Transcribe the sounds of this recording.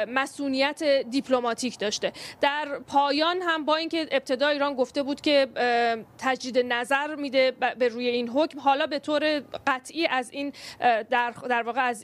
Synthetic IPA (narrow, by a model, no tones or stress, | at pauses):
mæsʔuːnijæt̪ʰed̪ipʰlo̞mɒːt̪ʰiːcʰd̪ɒːʃt̪e̞d̪̥æɾpʰɒːjɒːnɦæmbɒːiːnce̞ʔeb̚t̪ʰe̞d̪ɒːiːɾɒːnɡo̞ft̪e̞buːd̪cʲʰe̞ | t̪ʰæd͡ʒd̪iːd̪e̞næzæɾmiːd̪e̞beɾuːje̞iːnɦocmɦɒːlɒːbe̞t̪ʰoːɾe̞ɢæt̪ʰʔiːʔæziːnd̪æɾd̪æɾvɒːɣeæz